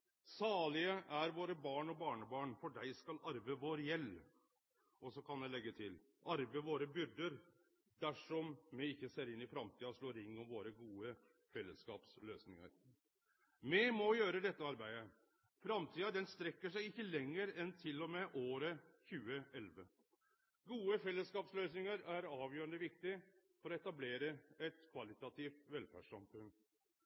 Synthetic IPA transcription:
sɑːɭɪəʔæɾʋoːɾəbɑːɳɔbɑːɳəbɑːɳfɔɖæɪskɑlɑɾʋəʋoːɾjɛlː | ʔɔsɔkʰɑnjæɪlɛɡːət̪ʰɪl | ʔɑɾʋəʋoːɾəbʏɾɖ̪əɾ | d̪æʂɔmmɛɪɪçːəseːɾɪnːɪfɾɑmt̪ʰiːɑʂloːɾɪŋːɔmʋoːɾəɡuːə | fɛlːəskɑːpsløːsnɪŋə̰ɾ | mɛmɔjøːɾəd̪ɛt̪ːəɑɾbæɪə | fɾɑmt̪ʰiːɑd̪ɛnst̪ɾɛkːəʂæɪɪçːəlɛŋːəɾɛnt̪ʰɪlːɔmɛʔoːɾəçʉːəɛlʋə | ɡuːəfɛlːəskɑːpsløːsnɪŋəɾæɾɑːʋjøːɾəɳd̪əʋɪk̚t̪ɪfɔɾɔɛt̪ɑbleːɾəɛt̪kʰʋɑlɪt̪ɑt̪ʰiːft̪ʋɛlfæ̰ʂsɑmfʉn

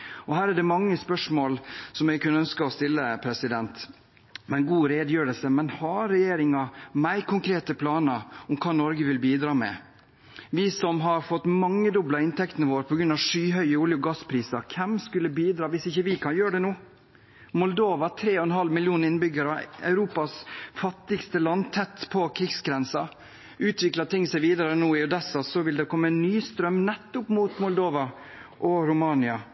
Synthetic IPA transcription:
ɔhæːɾæɖɛmɑŋːəspœʂmoːlsɔmɛɡkʉnːəœnskɑɔst̪ɪlːəpʰɾɛsɪd̪ɛnt̪ | mɛnɡuːɾeːd̪jøːɾəlsəmɛnhɑɾɛjeːɾɪŋɑmæɪkʰʊŋkʰɾeːt̪əpʰlɑːnəɾɔmkʰɑːnɔɾɡəʋɪlbiːd̪ɾɑːmɛ̰ | ʋisɔmɦɑɾfɔt̪ːmɑŋːəd̪ʊblɑɪnt̪ʰɛkt̪ənəʋoːɾpʰɔɡɾʉnɑʋʂyːɦœʏəʊljʊɡɑspʰɾiːsɑkʰɛmskʉlːəbiːd̪ɾɑːʋɪsɪçːəʋɪkʰɑnjøːɾɖɛnuː | mʊld̪oːʋɑt̪ʰɾeːɔɛnɦɑlmɪljuːnɪnbʏɡəɾɑɑ̰ʉɾuːpɑsfɑt̪ːɪɡst̪əlɑnːt̪ʰɛt̪ːpʰɔkʰɾɪɡsɡɾɛnsɑ | ʉːt̪ʰʋɪklɑt̪ɪŋsæɪʋiːd̪əɾənuːɪɔd̪ɛsːɑsɔʋɪld̪ɛkʰɔmːəɛnːyːst̪ɾœmnɛt̪ːʊpmuːt̪mʊld̪oːʋɑ | ʔɔɾʊmɑːnɪɑ

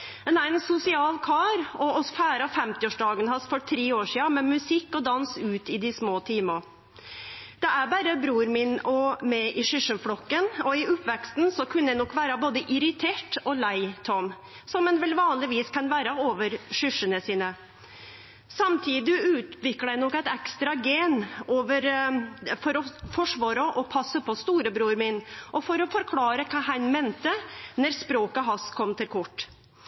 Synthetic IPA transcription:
ɛnæɪnsʊsɪɑːlkʰɑːɾɔɔsfæːɾɑfɛmt̪ɪoːʂɖ̪ɑːɡənhɑsfɔʈʰɾeːoːʂiːɑmɛmʉsɪkːɔd̪ɑnsʉːt̪ɪd̪ɪsmoːt̪ʰiːmə | d̪̥ɛæɾbæːɾəbɾuːɾmɪnɔmɛʔɪʂʏʂənfɽɔkːənɔɪʊpʋɛkst̪n̩sɔkʰʉnːəɛnɔkːʋæːɾɑboːd̪əʔɪɾɪt̪ʰeːʈɔlæɪt̪ʰɔm | sɔmːɛnʋɛlʋɑːnlɪʋiːskʰɑnʋæːɾɑoːʋəɾʂʏʂənəsiːnə | sɑmt̪ʰiːd̪ɪʉːt̪ʋɪkːɽəæɪnɔkːæɪt̪ɛkst̪ɾɑɡeːnoːʋəɾ | fɔɾɔfɔʂʋɑːɾəʔɔpʰɑsːəpʰɔst̪uːɾəbɾuːɾmɪnʔɔfɔɾɔfɔɾkʰlɑːɾəkʰɑːɦɑnmeːnt̪ənɛɾspɾoːkəɦɑskʰɔmt̪ʰɪlkʰɔʈː

